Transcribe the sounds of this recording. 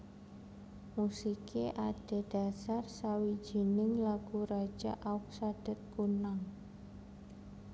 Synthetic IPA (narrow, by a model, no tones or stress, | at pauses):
musikʰeʔaɖ̥e̤ɖ̥a̤sarsawi̥ʒ̥i̤nɪŋlaɡ̥uɾḁʒ̥a̰ʔaʊk̚sad̥ɛ̤t̪̚kunaŋ